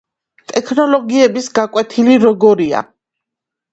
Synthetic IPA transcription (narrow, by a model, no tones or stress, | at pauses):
t̪ʼɛkʰnɔlˠɔɡiɛbisɡakʼwɛt̪ʰiliɾɔɡɔɾia̰